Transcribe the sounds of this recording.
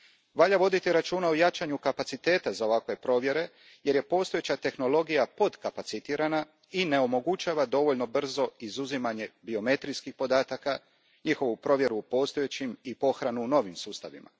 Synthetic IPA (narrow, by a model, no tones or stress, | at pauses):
ʋaʎaʋo̞d̪it̪iɾat͡ʃuːnaojat͡ʃaɲukapat̪sit̪e̞ːt̪azao̞ʋakʋe̞pɾo̞ʋje̞ɾe̞ | je̞ɾje̞po̞st̪oet͡ɕat̪e̞xno̞lo̞ɡijapo̞d̪kapat̪sit̪iːɾana | ine̞o̞mo̞ɡut͡ʃaːʋad̪o̞ʋo̞ʎno̞br̩zo̞izuzimaɲe̞bio̞me̞t̪ɾijskixpo̞d̪aːt̪aka | ɲixo̞ʋupɾo̞ʋje̞ɾuːpo̞st̪ojet͡ɕimipo̞xɾanuːno̞ʋimsuːst̪a̰ʋḭma̰